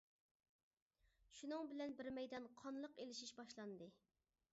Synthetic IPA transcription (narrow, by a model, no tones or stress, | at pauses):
ʃunɨŋbɪlɛnbɪɾmɛjd̪ɑnqʰɑnlˠəqelɪʃiʃbɑʃlˠɑnd̪ɨ